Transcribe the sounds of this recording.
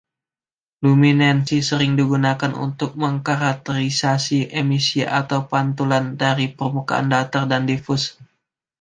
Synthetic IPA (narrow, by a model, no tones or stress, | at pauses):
luminansisəɾɪŋdiɡunakanʔṵnt̪ʊk̚məŋkaɾak̚t̪əɾisasiʔemisiʔat̪awpant̪ulandaɾipərmuka̰ʔa̰ndat̪ardandifʊs